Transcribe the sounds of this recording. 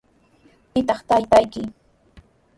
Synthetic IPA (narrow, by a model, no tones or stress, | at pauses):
pɪt̪ɑχt̪ajt̪ajkɪ